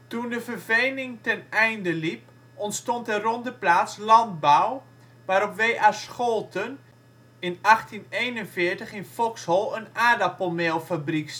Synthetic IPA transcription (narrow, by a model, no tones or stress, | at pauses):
tundəfərvejnɪŋtɛnɛjndəlip̚ | ɔntstɔntərɔndəplaːt͡slɑnd̚baw | ʋaɾɔpʋejʔasxolˠtʰən | ɪnaxtinejnənfɪəɹtəχɪnfɔkshɔlˠənaːdapomelˠfabrik